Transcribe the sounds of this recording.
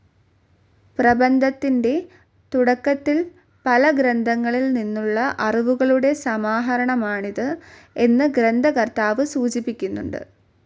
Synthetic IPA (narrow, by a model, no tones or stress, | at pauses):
prɐbɐnd̪ʱɐt̪ːinde̞ | t̪uɽɐkːɐt̪ːil | pɐlɐɡɾɐnd̪ʱɐŋːɐɭilninːuɭːɐʔɐriʋuɣɐɭuɽe̞sɐmaːɦɐɾɐɳɐmaːɳiðɨ | e̞nːɨɡɾɐnd̪ʱɐkɐrt̪aːʋɨsuːt͡ɕipːikʲːunːṵɳɖɨ̰